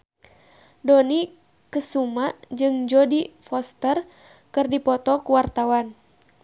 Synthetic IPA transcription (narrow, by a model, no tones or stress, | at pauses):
dɔni | kəsumad͡ʒɨŋd͡ʒɔdifɔst̪ər | kɨrdipɔt̪ɔkuwart̪awan